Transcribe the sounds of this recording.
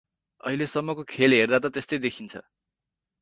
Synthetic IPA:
ʌ̰ɦilesʌmːʌkokʰelɦerd̪at̪ʌt̪est̪ʌjd̪ekʰint͡sʰʌ̰

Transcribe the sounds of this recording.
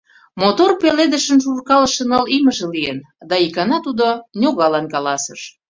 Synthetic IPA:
mot̪orpeled̪əʃə̆nʃurkɑləʃənəliməʒĕlien | d̪ɑikɑnɑt̪ud̪onʲoɣɑlɑnkɑlɑsəʃ

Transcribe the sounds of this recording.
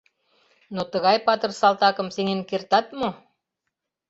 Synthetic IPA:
not̪ə̆ɣɑjpɑt̪ɤ̆rsɑlt̪ɑkə̆mseŋenkert̪ɑt̪mo

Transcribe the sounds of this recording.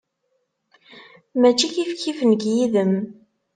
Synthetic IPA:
mæt͡ʃːiçifkivnəɡjiðəm

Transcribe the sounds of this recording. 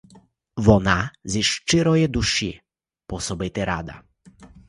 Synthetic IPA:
vɔnaziʂt͡ʃɪɾɔjɛd̪uʃḭ | pɔsɔbɛt̪ɛɾa̰d̪a̰

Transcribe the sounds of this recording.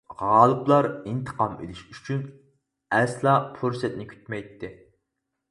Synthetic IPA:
ʁɑːlˠɨblˠɑɾint̪ʰə̥qɑmḛlɪʃyt͡ʃʰyn | ɛslˠɑpʰuɾsɛt̪̚nɪkʲʰy̥t̪mɛjt̪ʰːɪ

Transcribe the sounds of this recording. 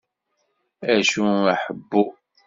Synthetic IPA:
æʃuaħəbːʊ

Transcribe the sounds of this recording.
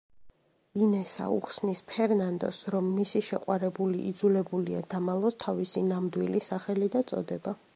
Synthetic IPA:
inɛsa̰ṵχsnispʰɛɾnand̪ɔ̰sɾɔmːisiʃɛqʼwaɾɛbuliʔḭd̪zulɛbulia̰d̪̥amalˠɔst̪ʰavisinamd̪wilisaχɛlid̪at̪sʼɔ̰d̪ɛba

